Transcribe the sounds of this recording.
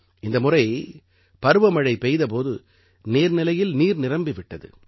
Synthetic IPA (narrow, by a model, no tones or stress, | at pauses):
ɪnd̪ɐmʊrɐɪ | pɐɾɯʋɐmɐɻɐɪpɛjðɐp̬oːðɯ | neːɾnɪlɐjɪlniːɾnɪrɐmbɪʋɪʈːɐðɯ̰